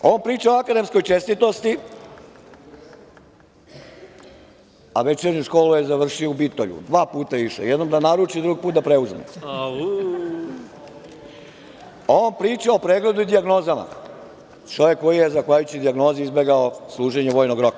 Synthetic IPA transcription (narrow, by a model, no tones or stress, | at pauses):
oːnpɾiːt͡ʃaoakad̪e̞msko̞jt͡ʃest̪it̪ost̪i | aʋet͡ʃeɾɲuʃko̞ːlujezaʋr̩ʃioubit̪oʎṵd̪ʋaːpuːt̪aʋiʃḛjed̪nomd̪anaɾut͡ʃid̪ɾuɡipuːt̪d̪apɾe̞uzmḛ | oːnpɾiːt͡ʃaopɾeːɡle̞d̪uid̪iaɡno̞ːzama̰ | t͡ʃo̞ʋjekːo̞jijezaxʋajut͡ɕid̪iaɡno̞ːziizbe̞ɡaoslˠuːʒeɲeʋoːjnoɡɾo̞ka